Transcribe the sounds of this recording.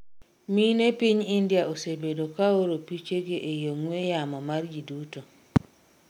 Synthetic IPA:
minepiɲindjaʔosebedokaoɾopit͡ʃeɡeʔejoŋwejamɔmaɾd͡ʒiduto

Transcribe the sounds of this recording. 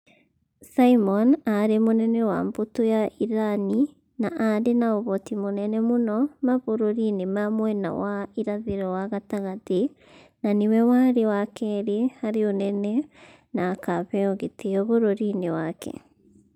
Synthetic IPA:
saimɔnaɾemonɛnɛwa̰mbotojaiɾani | naʔaɾenaoβɔtimonɛnɛmonɔmaβoɾoɾinemamwɛna̰waiɾaðeɾɔwaɣataɣate | nanewɛwaɾewakɛɾehaɾeonɛnɛ | naːkaβɛɔɣeteɔβoɾoɾinewakʰɛ̰

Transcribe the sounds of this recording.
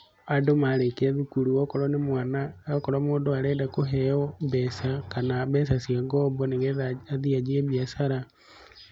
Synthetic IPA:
adomaɾekeðukuɾuokoɾonemwaːnaokoɾomoːndoaɾendakoɦeɔβesakanaβes̬asiaɡoboneɣeðaaðiad͡ʒieβjasaɾa

